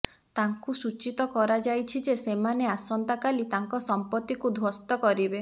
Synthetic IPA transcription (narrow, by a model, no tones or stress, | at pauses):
t̪aŋkusut͡ʃit̪ɔkɔɾad͡ʒajt͡ʃʰid͡ʒesemaneasɔnt̪akalit̪aŋkɔsɔmpɔt̪ːikud̪ʱwɔst̪ɔkɔɾibe